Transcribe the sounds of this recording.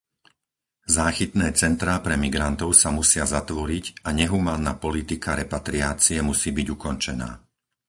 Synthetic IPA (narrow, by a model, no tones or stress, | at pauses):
zaːxit̪nɛːt͡sɛnt̪ɾaːpɾɛmiɡɾant̪ɔʊsamusɪazat̪ʋɔɾiɟaɲɛɦumaːnːaːpɔlit̪ikaɾɛpat̪ɾiaːt͡siɛmusiːbiɟukɔnt͡ʃɛna̰ː